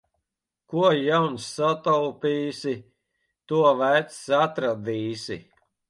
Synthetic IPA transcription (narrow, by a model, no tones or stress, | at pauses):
kuɔjawnsːat̪awpiːsʲi | t̪uɔvæjt̪ssat̪ɾad̪iːsʲḭ